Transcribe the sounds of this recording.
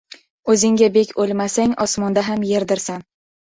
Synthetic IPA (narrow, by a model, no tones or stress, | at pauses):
ɵzɪŋɡʲabekʲʰolˠmasaŋɒsmɒnd̪aɦamje̞ɾd̪ɪɾsan